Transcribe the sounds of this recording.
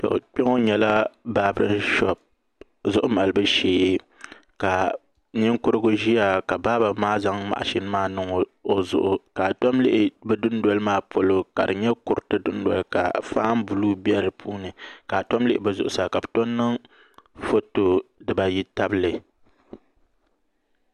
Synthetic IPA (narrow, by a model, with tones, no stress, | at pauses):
tɔ̰˨k͡pɛ˦ŋo˦ɲɛ˨la˦baː˨˦bɾɨ˦n˦ʃɔ˨b̚ | zʊ˦ʔʊ˦ma˨lɨ˦bɨ˦ʃeː˨e˦ | ka˨ | ɲɪ˦ŋkʊ˦ɾɨ˦ɡʊ˦ʒi˦ja˨ka˨baː˦ba˨maː˦za˦ŋma̰˨ʔa̰˨ʃɪ˦n˦maː˦nɨ˦ŋo˨o˦zʊ̰˨ʔʊ˨ka˨tɔ˦mlɪ˦ʔɪ˨bɛ˦dʊ˦ndɔ˦lɨ˦maː˦pʰo˨lo˨ka̰˨dɨ˨ɲɛ˦kʊ˨ɾɨ˨tɨ˦dʊ˦n˦dɔ̰˨lka̰˨faː˦m˦bu˨lu˦bi˦ɛ˦ɾɨ˨pʰuː˦nɨ˨ka˨tɔ˦mlɪ˦ʔɪ˦bɨ˦˨zʊ˨ʔʊ˨sa˨ka˨bɨ˨to˦nːɨ˦ŋ | fo˦to˨dɨ˨ba˨ji˦ta˦bɨ˦lɨ˨